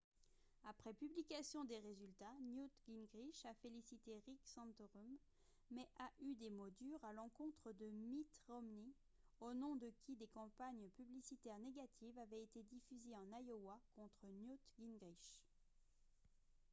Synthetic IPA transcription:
apχɛpyblikʲasjɔ̃d̪eʁezylt̪anjut̪ɡʲinɡʁiʃafelisit̪eʁiksɑ̃t̪ʁumː | ɛʔaʔyd̪emod̪yʁalɑ̃kɔ̃t̪χəd̪əmit̪ʁɔmni | onɔ̃d̪əkʲʰid̪ekɑ̃paɲpyblisit̪ɛʁneɡat̪ʰivavɛet̪ed̪ifyzeɑ̃najowakɔ̃t̪χənjut̪ɡʲinɡʁiʃ

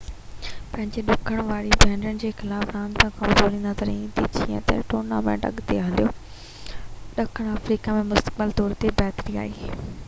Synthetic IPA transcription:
pɐ̃ɦɪ̃ɲd͡ʑeɗʊkʰəɽ̃ʋaːɾibʱɛ̃ːɳɖənɪ̆d͡ʑeːxɪlaːfɾãːnt̪ʰãkɐmzoːɾĩnd̪at̪ʰɐɾẽd̪it͡ɕiɛ̰̃t̪ḛʈoːna̰ːmḛ̃ːʈɐ̰ɠt̪ḛɦɐlijoː | ɗɐkʰəɽ̃ɐfɾiːkamẽmʊst̪ə̥k̚bəlt̪ɔːɾt̪ebɛːt̪ɪɾia̰ːiː

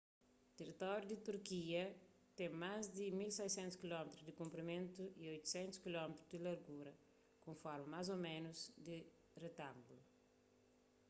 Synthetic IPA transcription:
t̪erit̪ɔɾjud̪it̪uɾkiɐ | t̪ɛ̃ŋmazd̪imilsɛjsɛ̃nt̪u̥skilɔmet̪ɾuzd̪ikũmpɾimẽnt̪uiojt̪u̥sɛ̃nt̪u̥skilɔmet̪ɾuzd̪ilɐɾɡuɾɐ | kõɱfɔɾmɐmazomeɛ̃nuzd̪i | ret̪ãmbulu

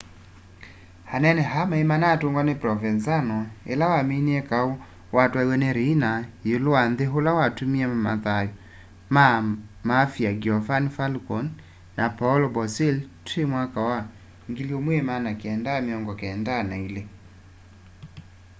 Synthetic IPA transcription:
hanɛnɛɦamaemanatoŋɡwanepɾɔvɛnzanɔḛlawameniɛkao | watwaiwɛneɾiinajolowanðeɦolawatumiamama̰ðajɔ | mamafiaɡiɔvanfalkɔn | napalɔbɔseltemwakawa | ŋɡiljomwemanakeɛndaːmeɔŋɡɔkeɛndanaile

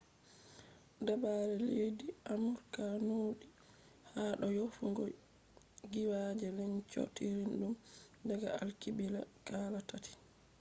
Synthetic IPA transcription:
dabaɾɛleːdiamuɾkanuːɗi | haːɗɔjofuŋɡɔ | ɡiwad͡ʒɛlɛɲt͡ʃo̰tːiɾinɗumdɛɡaa̰lkibila̰kaːlatati̥

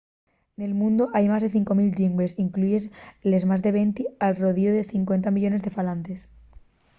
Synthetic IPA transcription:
ne̞lmũnd̪oʔajmazðe̞θiŋko̞milʎimbɾesiŋkluʝesle̞zmazðe̞β̞e̞nt̪ialroð̞ioðe̞θiŋkwe̞nt̪amiʎo̞ne̞zðe̞falant̪es

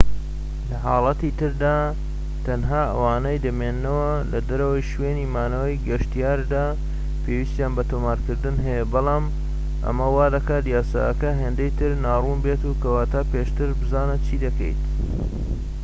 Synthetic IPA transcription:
lɐɦɑːlˠɐt̪it̪ɨɾd̪aː | t̪ʰɐnɦaːʔɐ̰waːnejd̪ɐmeːnːɐwɐlɐd̪ɐɾɐwɐjʃweːniːmaːnɐwɐjɡɐʃt̪ijaːɾd̪aː | pʰeːwiːst̪ijaːnbɐt̪oːmaːɾkɨɾd̪ɨnɦɐjɛbɑlˠɑːm | ʔɐ̰mɐwaːd̪ɐkaːt̪jaːsa̰ʔːkɐɦeːnd̪ejt̪ʰɨɾnaːruːnbeːt̪uːkɐwaːt̪ʰaːpeːʃt̪ɨɾbɨzaːnɐt͡ʃʰiːd̪ɐkɐ̰jt̪

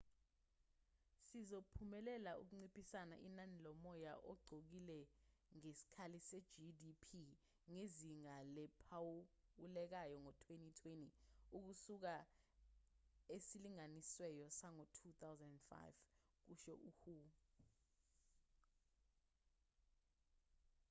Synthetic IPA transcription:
sizopʰumɛlɛlauk̬uŋ͡ǀipʼisana̰ʔinanilɔmɔjaʔɔɡ͡ǀʱok̬ilɛŋesi̥kʰalisɛd͡ʒidipʰi | ŋeziŋalɛpʰaulɛk̬ajɔŋɔtʰwenitʰweniuk̬usuk̬a | esiliŋaniswɛjɔsaŋɔtʰut̪ʰawzɛnɛnfa̰jv | k̬uʃɔ̰ʔuhuː

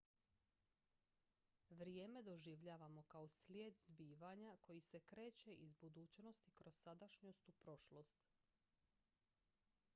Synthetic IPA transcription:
ʋɾje̞ːme̞d̪o̞ʒiʋʎaːʋamo̞kaosljeːd̪zbiːʋaɲakʰo̞jisekɾe̞ːt͡ɕe̞ʔizbud̪uːt͡ɕno̞st̪ikɾossad̪aʃɲo̞st̪upɾo̞ʃlo̞st̪

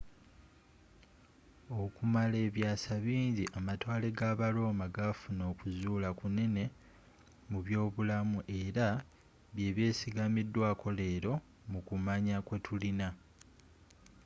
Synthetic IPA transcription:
o̞kumale̞ːβjaːsaβiːɲɟiʔamatwaːle̞ɡaːβalo̞ːmaɡafuno̞ːkuzuːlakune̞ne̞ | muβjo̞ːβulamuʔe̞ɾa | βje̞ːβje̞ːsiɡamidːwaːko̞le̞ːɾo̞ | mukumaɲakwe̞tʰulina

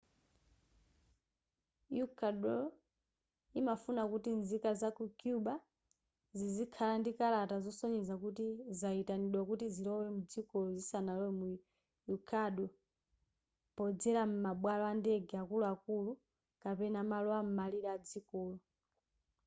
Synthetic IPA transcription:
jukʰaɗɔ | imafunakutinzikazakukjuɓa | zizikʰalandikalatazɔsɔɲɛzakutizaitaniɗwakutizilɔwɛmud͡zikɔlɔzisanalɔwɛmu | jukʰaɗɔ | pɔd͡zɛɾam̩maɓwalɔandɛɡɛakuluakulu | kapɛnamalɔam̩maliɾɛad͡zikɔːlu

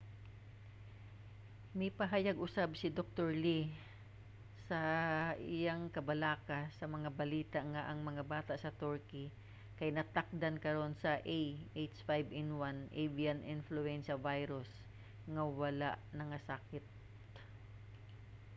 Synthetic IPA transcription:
mɪpɐɦajaɡʔʊsabsɪd̪ok̚t̪oɹli | sɐʔɪjaŋkɐbɐlaːkasɐmɐŋabɐliːt̪aʔŋaʔɐŋmɐŋabaːt̪aʔsɐt̪oɹkɪ | kɐjnɐt̪ak̚d̪ankɐɾo̞nsɐʔejʔejt̪sfajbɪnwanʔebianʔɪnflʊɛnʃɐvajɾʊs | ŋɐwɐlaʔnɐŋasakɪt̪

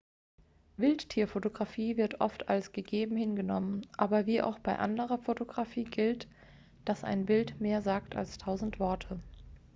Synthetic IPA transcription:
vɪlttʰːiːɐfotoɡʁafiːvɪɐtʔɔ̰ftalsɡ̥əɡeːbm̩hɪnɡənɔmənʔaːbɐviːʔa̰ʊxb̥aɪʔa̰ndəʁ̞ɐfotoɡʁafiːɡɪlt | d̥asʔa̰ɪnbɪltmeːɐzaːkta̰lstʰaʊzn̩tv̥ɔɐtʰə

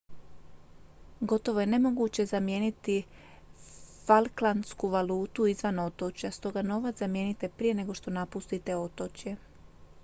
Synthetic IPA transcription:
ɡo̞t̪o̞ʋo̞je̞nemo̞ɡut͡ɕe̞zamje̞ːnit̪i | falˠklˠanskuʋalˠuːt̪uizʋano̞t̪o̞t͡ɕjast̪o̞ɡano̞ʋat̪zamje̞ːnit̪e̞pɾije̞ne̞ɡo̞ʃt̪o̞napust̪it̪e̞o̞t̪o̞t͡ɕje̞

